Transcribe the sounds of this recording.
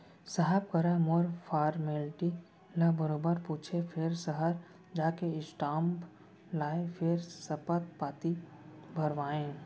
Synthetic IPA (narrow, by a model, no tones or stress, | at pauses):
saɦəb̚kəɾãmoɾpʰaːɾmelʈi | labəɾoːbəɾpuːt͡ʃʰepʰɪɾsəɦəɾ | d͡ʒaːkeɪsʈãːmp | laːepʰɪɾsəpət̪̚paːt̪ibʱəɾʋaːẽː